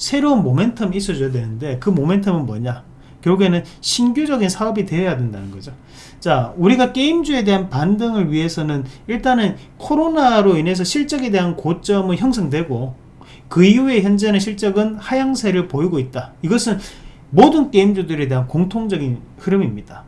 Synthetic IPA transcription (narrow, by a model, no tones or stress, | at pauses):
sʰe̞ɾounmome̞ntʰʌmis͈ʌd͡ʑojadwe̞nɯnde̞kɯmome̞ntʰʌmɯnmwʌ̰ɲa | kjʌɾuɡe̞nɯnɕʰinɡjud͡ʑʌɡinsʰaʌbitwe̞ʌjadwe̞nda̰nɯnɡʌd͡ʑo | t͡ɕauɾiɡak͈e̞imd͡ʑue̞de̞ɦanpandɯŋɯɭɥiɦe̞sʰʌnɯniɭt͈anɯn | kʰoɾonaɾoine̞s̬ʰʌɕʰiɭt͡ɕ͈ʌɡe̞de̞ɦankot͡ɕ͈ʌmɯɭçjʌŋsʰʌŋdwe̞ɡo | kɯiue̞çjʌnd͡ʑenɯɕʰiɭt͡ɕ͈ʌɡɯnhajaŋsʰe̞ɾɯɭpoiɡoit̚t͈aiɡʌsʰɯn | modɯnk͈e̞imd͡ʑudɯɾe̞de̞ɦankoŋtʰoŋd͡ʑʌɡinhɯɾɯmimɲid̥a